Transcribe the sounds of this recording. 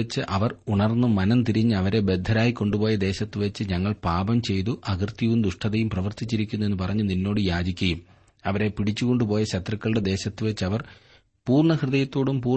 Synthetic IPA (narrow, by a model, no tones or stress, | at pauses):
et͡ɕːɨʔɐʋɐruɳɐrnːumɐnɐnt̪iɾiɲːɨɐʋɐɾe̞be̞d̪ʱːɐɾaːjikːo̞ɳɖupo̞ːjɐd̪e̞ːɕɐt̪ːɨʋet͡ɕːɨɲɐŋːɐɭpaːbɐmt͡ɕe̞jt̪uʔɐɡɐrt̪jiʋumd̪uʂʈʰɐðɐjumprɐʋɐrt̪it͡ɕːiɾikʲːunːuenːɨpɐrɐɲːuninːo̞ːɽɨjaːd͡ʑikʲːɐjum | ɐʋɐɾe̞piɽit͡ɕːuko̞ɳɖupo̞ːjɐɕɐt̪rɐkːɐɭɨɽe̞d̪e̞ːɕɐt̪ːɨʋɐt͡ɕːɨɐʋɐr | puːrɳɐkrɨðɐjɐt̪ːo̞ːɽumpuː